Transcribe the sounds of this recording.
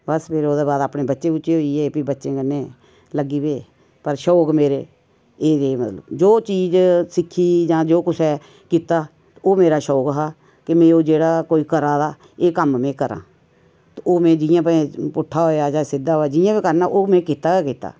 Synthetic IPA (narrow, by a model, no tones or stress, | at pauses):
bəspʰeːɾoːd̪eːbaːd̪aːpnẽːbətːʃẽːuːʃeːɦoːiːeːpiːbətːʃẽːkənːeː | ləɡiːbeː | pəɾʃoːkmeːɾeː | eːd̪eːmət̪lə̰bd͡ʒoːt͡ʃiːd͡ʒsɪkʰːiːd͡ʒãːd͡ʒoːkʊt͡ʃʰɛː | kiːt̪aː | oːmeːɾaːʃoːkɦaː | kɪmẽːoːd͡ʒeːɽaːkoːiːkəɾaːd̪aː | eːkəmmɛ̃ːkəɾã̰ː | t̪oːmɛ̃ːd͡ʒɪjãːp̬əẽpʊʈʰːaːɦoːjaːd͡ʒãːsɪd̪aːɦoːjaːd͡ʒɪjãːpeːkəɾnaːʔoːmɛ̃ːkiːt̪aːkaːkiːt̪a̰ː